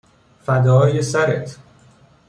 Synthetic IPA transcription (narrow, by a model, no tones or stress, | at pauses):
fæd̪ɒːjesæɾet̪ʰ